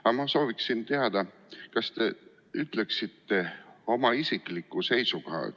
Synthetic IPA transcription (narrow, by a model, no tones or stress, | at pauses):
ɑmɑso̞ːviksint̪eɑd̪̥ɑ | kɑst̪e̞ | yt̪ˑleksit̪ːe̞o̞mɑisiklikːˑuse̞jsukohɑ̰